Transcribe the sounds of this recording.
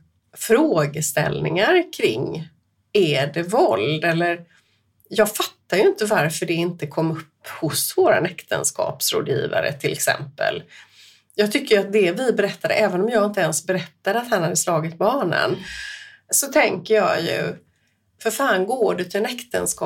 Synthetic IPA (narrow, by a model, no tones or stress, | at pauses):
fɾoːɡəst̪ɛ̰lnɪ̰ŋaɾkʰɾɪ̰ŋː | æɖɛvɔld̪ɛlːəɾ | jɑːɡfat̪ːajɵɪnt̪əvaɾfœɖɛɪnt̪əkʰɔmːɵpːhʊsvoːɾa̰nɛkt̪ʰə̰nskʰɑ̰ːpsɾo̰ːd̪jḭːva̰ɾə̰t̪ʰɪlʔɛ̰ksɛ̰mpə̰l | jɑːɡt̪ʰʏkːəjat̪̚d̪ɛvɪbɛɾɛt̪ːad̪ə̰ʔɛːvənɔmjɑːɡɪnt̪əɛnsbɛɾɛt̪ːad̪əat̪hanhad̪ːəslɑːɡɪt̪̚bɑːnə̰n | sɔt̪ʰɛŋkəjɑːjɵ̰ | fœɾfaːnɡoːɖɵt̪ʰɪlɛnɛkt̪ə̰nskɑ